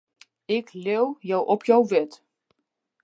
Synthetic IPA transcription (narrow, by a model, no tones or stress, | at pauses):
ɪklewjɔwʔɔpʰjawʋɛt